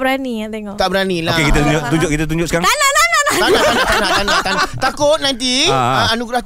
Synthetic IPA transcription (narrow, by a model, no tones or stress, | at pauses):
bəɾaniat̪eŋɔt̪aʔbəɾaniloaekit̪at̪uɲd͡ʒʊʔt̪uɲd͡ʒʊʔkit̪at̪̬uɲd͡ʒʊksəkaɾaŋnanananat̪anat̪anat̪anaʔt̪anat̪anat̪akʊt̪̚nãnt̪̬iaanuɡɾah